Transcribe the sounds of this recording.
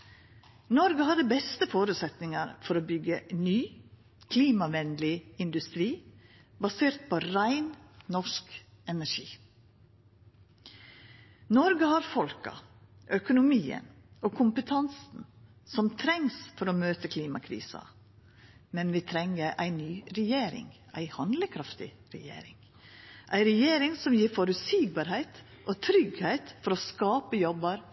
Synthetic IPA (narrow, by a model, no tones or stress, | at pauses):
nɔɾɡəhɑd̪əbɛst̪əfoːɾʉːt̪sɛt̪nɪŋɑɾfɔɾoːbʏɡənyː | kʰliːmɑʋɛnd̪lɪɪnd̪ʉst̪ɾiː | bɑseːɾt̪̚pʰoːɾæɪnnɔʂk | ɛnæʂiː | nɔɾɡəhɑɾfɔlkɑ̰ | ʔœkʊnʊmiːə̰n | oːkʰʊmpət̪ʰɑnsn̩ | sɔmt̪ʰɾɛŋsfɔɾoːmøːt̪əkʰliːmɑkʰɾḭːsɑ̰ | mɛnʋiːt̪ʰɾɛŋəɾʔæɪnyːɾɛjeːɾɪ̰ŋ | æ̰ɪhɑnd̪ləkʰɾɑft̪ɪ̰ | ɾɛjḛːɾɪŋ | ʔæɪɾɛjeːɾɪŋsɔmjiːɾfɔɾʉsɪɡ̚bɑːɾhæɪt̪ | ʔoːt̪ʰɾʏɡhæɪt̪fɔɾoːskɑːpəjɔbɑɾ